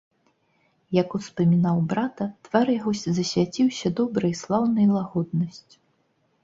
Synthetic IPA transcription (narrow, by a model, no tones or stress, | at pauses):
jɐkuspɐmʲinawbɾat̪ɐt̪vaɾjaɣɔsʲzɐsʲvʲat͡sʲiwsʲɐd̪ɔbɾɐjslˠawnɐjlˠaɣɔd̪̚nɐsʲt͡sʲ